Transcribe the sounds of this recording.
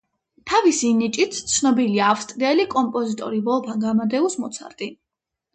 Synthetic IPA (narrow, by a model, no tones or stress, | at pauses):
t̪ʰavisinit͡ʃʼit̪ʰt̪sʰnɔbiliaːfst̪ʼɾiɛlikʼɔmpʼɔzit̪ʼɔ̰ɾibɔlˠpʰaŋɡamad̪ɛusmɔt̪sʰa̰ɾt̪ʼi